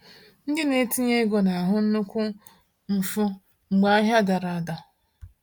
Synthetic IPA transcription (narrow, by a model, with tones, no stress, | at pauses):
n̩˦dɪ˦ne˦ti˦ɲe˦ɡo˨na˨ɦʊ˦n̩˦nʊ˦kʷʊ˦ | m̩˨fʊ˦ | ŋ͡m̩˨ɡ͡ba˦a˦ɦja˦da˨ɾa˨a˨da˨